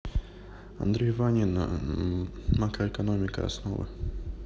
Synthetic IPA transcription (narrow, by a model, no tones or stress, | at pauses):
ɐ̰nd̪ɾʲejvanʲɪn | makɾəɛkɐnomʲɪkə̰ɐ̰sno̰vɨ̰